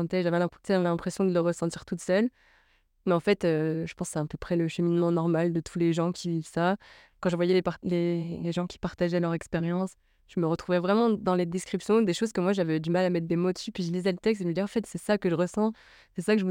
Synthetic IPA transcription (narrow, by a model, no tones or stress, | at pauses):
ɑ̃t̪ɛʒavɛɛ̃sɛlɛ̃pχesjɔ̃d̪ələʁəsɑ̃t̪iʁt̪ut̪sœl | mɛɑ̃fɛt̪øʒəpɑ̃sɛɛ̃pøpχɛləʃəminmɑ̃nɔʁmald̪ət̪ʰuleʒɑ̃kʲivivsa | kɑ̃ʒəvwajɛlepleleʒɑ̃kʲi̥paʁt̪aʒɛlœʁɛkspeʁjɑ̃s | ʒ̥əməʁət̪χuvɛvʁɛmɑ̃d̪ɑ̃led̪eskχipsjɔ̃d̪eʃozkəmwaʒavɛd̪ymalamɛt̪χ̚d̪emod̪əsypɥiʒəlizɛlət̪ɛkst̪eʒməd̪iʁɑ̃fɛt̪sɛsakəʒəʁəsɑ̃ | sɛsakəʒəu